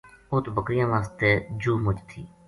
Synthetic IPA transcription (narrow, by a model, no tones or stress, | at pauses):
ʊt̪bəkɾijãːʋãːst̪eːd͡ʒuːmʊt͡ʃt̪ʰiː